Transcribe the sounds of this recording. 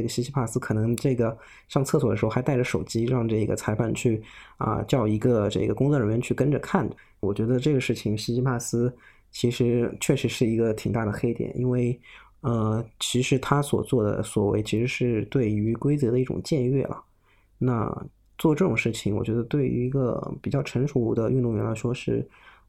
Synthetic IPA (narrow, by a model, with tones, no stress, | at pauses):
ɡə˩ɕi˥ɕʰi˥pʰa˥˩sɹ̩˥kʰɤ˨˩nɤ˧˥ŋʈ͡ʂɤ˥˩ɡə˩ | ɕjɑ˥˧ŋt͡sʰɤ˥˧swɔ˥˩də˩˧˥xa˧˥ɪa˥˩ə˩ʂo˨˩ʊt͡ɕi˥ɻɑ˥˧ŋʈ͡ʂɤ˥˩i˧˥ɡə̰˧t͡sʰa˧˥ɪfa˥˩nt͡ɕʰy˥˩ə̰˧t͡ɕjɑ˥˩ʊi˧˥ɡə˧ʈ͡ʂɤ̰˥˩ɡə˩kʊ˥ŋt͡sɔ˥˧˩ɻə˧˥nɻɥɛ˧˥nt͡ɕʰy˥˩kə˥nʈ͡ʂə˨kʰa˥˩n | wɔ˨˩t͡ɕɥɛ˧˥d̪ə˧ʈ͡ʂɤ˥˩ɡə˩ʂɻ̩˥˩t͡ɕʰi˨˩ŋɕi˥ɕi˥pʰa˥˩sɹ̩˥ | t͡ɕʰi˧˥ʂɻ̩˧˥t͡ɕʰɥɛ˥˩ʂɻ̩˧˥ʂɻ̩˥˩i˧˥ɡə˧t̪ʰi˨˩ŋt̪a˥˩d̪ə˩xe˥ɪt̪jɛ̰˨˩nʔi˥nwe˥˩ɪ | ə˧t͡ɕʰi˧˥ʂɻ̩˧˥t̪ʰa˥swɔ̰˨˩t͡swɔ˥˩d̪ə̰˩swɔ˨˩we˧˥˩ɪt͡ɕʰi˧˥ʂɻ̩˧˥ʂɻ̩˥˧t̪we˥˩ɪy˧˥kwe˥ɪt͡sɤ˧˥d̪ə˧i˥˩ʈ͡ʂʊ̰˨˩ŋt͡ɕjɛ˥˧nɥɛ˥˩lə̰˩ | na˥˧ | t͡swɔ˥˧ʈ͡ʂɤ˥˩ʈ͡ʂʊ˨˩ŋʂɻ̩˥˩t͡ɕʰi˨˩ŋwɔ̰˨˩t͡ɕɥɛ˧˥d̪ə˧t̪we˥˩ɪ̰˧˥i˧˥ɡə̰˧pi˨˩t͡ɕjɑ˥˩ʊʈ͡ʂʰə˧˥ŋʂu˧˥u˧˥d̪ə˧ʔy˥˧nt̪ʊ˥˩ŋɥɛ˧˥nla˧˥ɪʂwɔ˥ʂɻ̩˥˩